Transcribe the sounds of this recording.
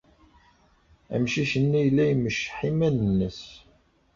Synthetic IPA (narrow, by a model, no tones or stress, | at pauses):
æ̰mʃiçənːijəlːæjməʃħimænənːəs